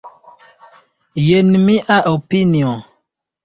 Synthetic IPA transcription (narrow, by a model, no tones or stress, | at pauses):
jenmiʔaʔopiniɔ̃